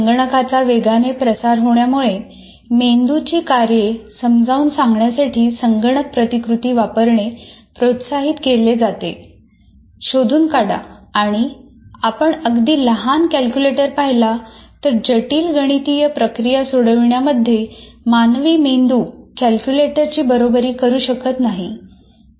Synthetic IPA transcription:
səŋɡɳəkat͡saʋeɡanepɾəsaɾɦoɳjamuɭe | mend̪ut͡ɕiːkaɾjesəmd͡zʱauːnsãŋɡɳjasaʈʰiːsəŋɡɳək̚pɾət̪ikɾut̪iːʋapəɾɳepɾot̪saɦiːt̪keled͡zat̪e | ɕod̪ʱuːnkaɽa̰ːɽ̃i | apəɳəɡd̪iːləɦankælkjuleʈəɾpaɦilat̪əɾd͡ʑəʈiːlɡəɽ̃it̪ijəpɾəkɾijasoɽəʋɳjaməd̪ʱːjemanʋiːmend̪uːkælkjuleʈəɾt͡ɕiːbəɾobəɾiːkəɾuːɕəkət̪naɦi

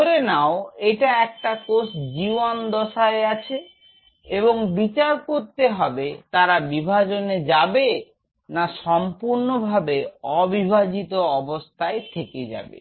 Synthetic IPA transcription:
oɾenaoeʈaɛk̚ʈakosd͡ʑiʋand̪ɔʃaeat͡ɕʰe | eboŋbit͡ɕaɾkoɾt̪eɦɔbet̪aɾabibʱad͡ʑoned͡ʑabe | naʃɔmpuɾnobʱabeɔbibʱad͡ʑit̪oɔbost̪ʰaet̪ʰeked͡ʑa̰bḛ

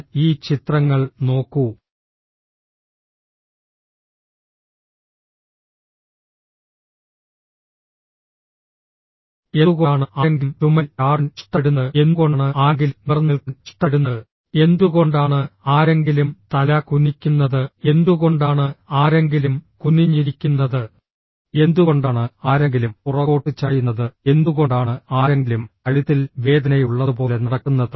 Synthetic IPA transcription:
iːt͡ɕit̪rɐŋːɐɭno̞ːkːu | eɣɐːɳɨʔaŋɡimtumɐlaːrnt͡ɕi̥ʈːɐɽunːɨe̞nɣo̞ɳɨaːŋɡilumʋirnːilkt͡ɕi̥ʈːɐɽunːɐɨ | e̞nd̪uɣoɳɖaːɳɨaːɾe̞ŋɡilumt̪ɐlɐkunikʲːunːɐðɨe̞nd̪uɣo̞ɳɖaːɳɨaːɾe̞ŋɡilumkunːiɲːiɾikʲːunːɐðɨ | e̞nd̪uɣoɳɖaːɳɨaːɾeŋɡilumpurɐko̞ːʈːit͡ɕːaːjunːɐðɨe̞nd̪uɣo̞ɳɖaːɳɨaːɾeŋɡilumkɐɻiðilʋe̞ːd̪ɐnɐjuɭːɐðɨpo̞ːlenɐɽɐkːunːɐðɨ

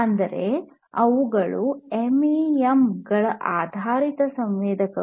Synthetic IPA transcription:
ɐnd̪ɐɾe | ɐʋuɡɐɭuemiemɡɐɭɐʔaːd̪ʱaːɾit̪ɐsɐmʋeːd̪ʱɐkɐ

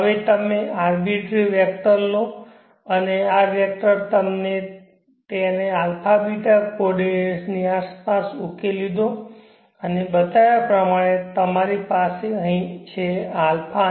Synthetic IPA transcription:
ɦəʋet̪əmeaɾbiʈɾiʋjək̚t̪əɾlo | əneaʋjɛk̚ʈəɾt̪əmne | t̪eənealpʰabiʈapoɖesniaspasukelid̪õ | ənebət̪ajapɾəmaɽ̃et̪əmaɾipaseəɦĩt͡ʃʰealpʰa

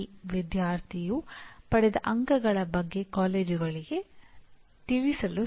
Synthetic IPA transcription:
ʋid̪jaːɾt̪ʰijupɐɽɛd̪ɐʔɐŋɡɐɡɐɭɐbɐɡːe̞kaːleːd͡ʒuɡɐɭiɡe̞ | t̪iɭisɐlu

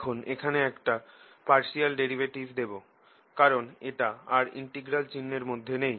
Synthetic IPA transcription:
kʰonekʰaneɛkʈa | paɾʃialɖeɾibeʈivd̪ebo | kaɾoneʈaaɾḭɳʈeɡɾalt͡ɕinːeɾmod̪ʱːenej

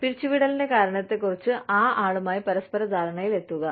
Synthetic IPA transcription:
piɾit͡ɕːuʋiɽɐlinde̞kaːɾɐɳɐt̪ːe̞kːurit͡ɕːɨʔaːʔaːɭumaːjipɐɾɐspɐɾɐd̪ʱaːɾɐɳɐjile̞t̪ːuɣɐ

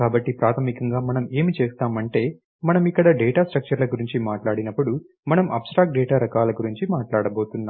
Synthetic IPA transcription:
kaːbɐʈːipɾaːt̪ʰɐmikɐŋɡaːmɐnɐme̞ːmit͡ʃeːst̪aːmɐɳʈe̞ː | mɐnɐmikːɐɽɐɖɛːʈaːsʈɾɐk̚t͡ʃɐɾlɐɡuɾiɲt͡ʃimaːʈlaːɽinɐpːuɽu | mɐnɐmʔɐ̰psʈɾaːkʈ̚ɖɛːʈaːɾɐkaːlɐɡuɾiɲt͡ʃimaːʈlaːɽɐbo̞ːt̪unːa

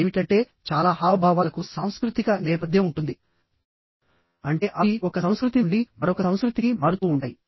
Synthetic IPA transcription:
eːmiʈɐɳʈe̞ː | t͡ʃaːlaːɦaːʋɐbʱaːʋaːlɐkusaːm̃skɾut̪ikɐnɛːpɐd̪ʱjɐ̃muɳʈund̪i | ɐɳʈe̞ːʔɐiɔkɐsɐw̃skɾut̪iɳɖimɐɾɔkɐsɐw̃skɾut̪ikimɐɾut̪uːɳʈaːji

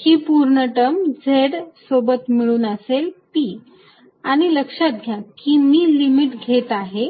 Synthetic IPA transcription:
kiːpuɾɳəʈəmd͡zʱeɽsobət̪miɭuːnəselpiː | aɽ̃iləkʂat̪̚ɡʱjakiːmiːlimiʈɡʱet̪aɦe

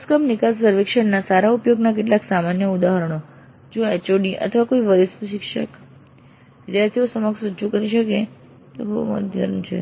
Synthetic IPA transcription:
skəmnɪkassəɾʋekʃəɳnasaɾaupjoɡnak̬eʈ̬laksamanjəud̪aɦəɾəɳ̃o | d͡ʒũet͡ʃoɖiʔə̰t̪ʰəʋakoiʋəɾisuʃikʃək | ʋɪd̪jaɾt̪ʰiosəməkʃɾət͡ʃukəɾiʃəke | t̪obəṵmə̰d̪ʱjə̰ɾənt͡ʃʰḛ

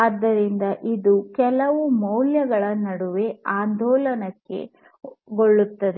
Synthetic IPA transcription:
aːd̪ːɐɾind̪ɐʔid̪ukɛlɐʋumɐwljɐɡɐɭɐnːɐɽuʋeaːnd̪ɔːlɐnɐkːe̞̰ | ɡoɭːut̪ːɐd̪e

